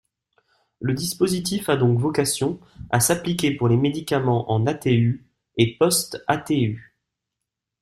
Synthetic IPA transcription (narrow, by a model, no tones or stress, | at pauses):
ləd̪ispozit̪̬ifad̪ɔ̃kvɔkasjɔ̃ | a̰saplikʲepuʁlemed̪ikamɑ̃ʔɑ̃nat̪ey | epɔst̪at̪ey